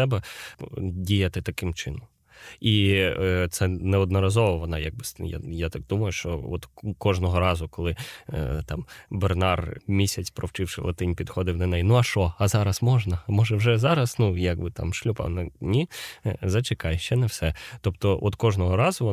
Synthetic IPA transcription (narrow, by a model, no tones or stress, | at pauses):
ɛbɛ | dʲijɐt̪ɪt̪ɐkɪmt͡ʃɪnɔm | i | t̪sɛnɛɔd̪nɔɾɐzɔʋɔʋɔnɑjaɡ̚bɪsja̰jat̪ɑk̚d̪umɐjʊʃt͡ʃɔɔ̰t̪kɔʒnɔɦɔɾɑzʊkɔlˠɪt̪ɑmbernɑrmʲisʲɐt͡sʲpɾɔwt͡ʃɪwʂɪ̰lˠɐ̰t̪ɪnʲpʲid̪xɔd̪ɪwnɐnɛjnuɐʃɔɐzɑɾɐsmɔʒnɐmɔʒɛwʒɛzɑɾɐsnujaɡbɪt̪ɑ̰mʃlʲupɑ̰nɐnʲizɐt͡ʃɪkɑjʃt͡ʃɛnɛwsɛt̪ɔpt̪ɔʔɔt̪kɔʒnɔɦɔɾɑzʊʋɔ